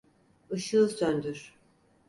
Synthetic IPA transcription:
ɯʃɯlˠsønd̪yɾ̥

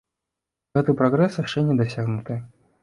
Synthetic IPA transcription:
ɣɛt̪ɨpɾɐɣɾɛsjaʂt͡ʂɛnʲɛd̪ɐsʲaɣnut̪ɨ

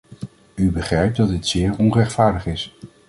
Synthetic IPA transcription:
ybəχrɛjp̚dɑd̚ɪtsɪːɹɔnrɛχtfaːɹdəχɪs

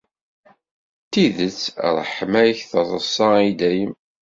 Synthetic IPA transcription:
t̪ːiðət͡sːɾˤħmæjçθəzˤəsːɑid̪æjəm

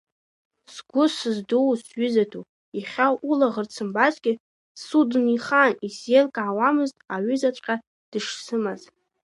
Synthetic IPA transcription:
sɡʷʊsɨzdowsɥʏzatʰu | jaχʲawʔulaʁərt͡sʰɨmbazɡʲɪ | sudniχanisjelkʼawamɨztʼaɥʏzat͡ʃʷʼqʲʼa | d̥ɨʂsɨmaz

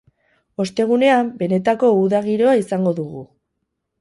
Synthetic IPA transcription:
o̞st̪e̞ɣ̞une̞ambe̞ne̞t̪ako̞uðaɣiɾo̞aisaŋɡo̞ðuɣu

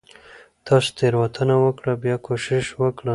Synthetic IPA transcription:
t̪ʰɑst̪eɾwat̪ʰənawəkɽabjɑkoʃɪʃwəkɽə

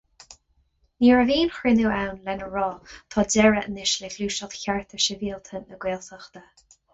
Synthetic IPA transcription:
niːɹəviːnxɹɪnuːawnlɛnəɹɔːt̪ʰɔːdɛɹəənɪʃlexluːʃɔtçaɹt̪ʰəʃəviːlt̪ʰənːəɡweːlsəxt̪ə

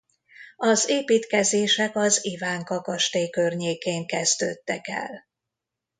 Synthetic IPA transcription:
ɒzeːpiːt̪kɛzeːʃɛkɒzivaːŋkɒkɒʃt̪eːkørɲeːkeːŋkɛzd̪ø̰ːt̪ːɛkɛ̰l

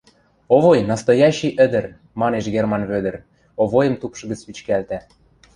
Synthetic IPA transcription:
oβojnɑst̪ojɑɕiʔə̆d̪ə̆r | mɑneʃɡermɑnβød̪ə̆r | oβojə̆mt̪upʃɤ̆ɡə̆t͡spit͡ɕkælt̪æ

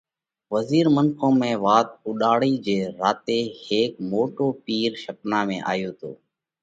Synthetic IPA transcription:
ʋəziːɾmənkʰõːmẽːʋaːt̪̚ʊɗaːɽiːd͡ʒeːɾaːt̪eːheːk̚moːʈoːpiːɾʃəknãːmḛ̃ːʔa̰ːjoːt̪ʰo̰ː

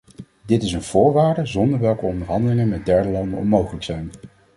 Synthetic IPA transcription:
dɪtɪsənv̥ʊːɹʋaːɹdəzɔndəɹʋɛlˠkəɔndəɹɦɑndəlɪŋənmɛd̚dɛɹdəlɑndənɔ̰nmowχələksɛjn

